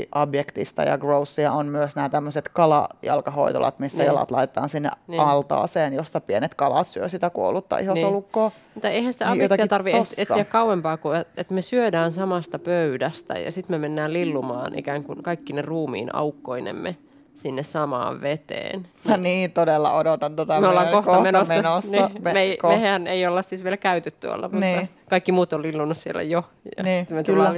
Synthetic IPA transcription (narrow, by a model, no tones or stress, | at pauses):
ʔɑbjekt̪ist̪ɑ̰jɑ̰ɡrousːiɑonmyøsnæːt̪æmːøset̪kɑlɑ̰jɑ̰lkɑho̰it̪o̰lʔɑ̰t̪misːæjɑlɑ̰t̪lɑ̰ijt̪e̥t̪ɑːnsinːḛɑlt̪ɑ̰ːseːnjosːɑpienet̪kɑlɑ̰t̪syøsit̪ækuo̰lut̪ːɑ̰ʔihosolukːoː | t̪ɑeihænsi̥t̪eɑjot̪ɑkːt̪ɑrʋieoet̪ːsiækkɑuwempɑːkueet̪mesyødæːnsɑmɑst̪ɑpøydæst̪æ̰jɑ̰sit̪memenːæːllilːumɑ̰ːnʔḭkæːŋkunkɑikːineruːmḭːnɑ̰ukːoinḛmːḛ | sinːessɑmɑ̰ːʋʋet̪ḛːn | niːt̪odelːɑ̰odot̪ɑnt̪ot̪ɑmeolːɑːŋkoht̪ɑmenosːɑnosnimmeimehæneiolːɑssisʋielkæyt̪yt̪tːuo̰lːɑ̰muniːɑ | kɑikːimuːt̪ollilːunːussiḛlːæ̰jo | jɑ̰niːit̪met̪ulːɑː